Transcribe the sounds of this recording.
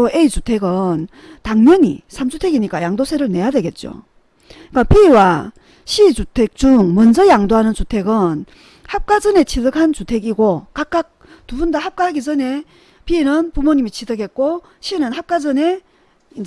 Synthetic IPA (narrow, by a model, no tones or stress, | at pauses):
oʔeit͡ɕutʰe̞ɡɯn | taŋɲʌɲḭsʰamd͡ʑutʰeɡiɲik͈ajaŋdosʰe̞ɾɯɭne̞jadwe̞ɡe̞t̚t͡ɕ͈o̰ | ik͈apiwa | ɕʰit͡ɕutʰek̚t͡ɕ͈uŋmʌnd͡ʑʌjaŋdoɦanɯnt͡ɕutʰe̞ɡɯn | hap̚k͈ad͡ʑʌne̞t͡ɕʰidɯkʰant͡ɕutʰe̞ɡiɡokak͈ak̚ | tubundahap̚k͈ahaɡid͡ʑʌne̞ | piːnɯnpumoɲimit͡ɕʰidɯɡet̚k͈o | ɕʰinɯnhap̚k͈ad͡ʑʌne̞ | in